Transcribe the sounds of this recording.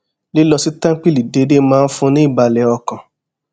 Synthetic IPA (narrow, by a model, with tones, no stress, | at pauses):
li˦lɔ˧si˦tã˦k͡pi˦li˨de˨˦de˦mãː˦˧˦n̩˦fũ˧nĩ˦i˦˨ba˧lɛ˨˦ɔ˧kã˨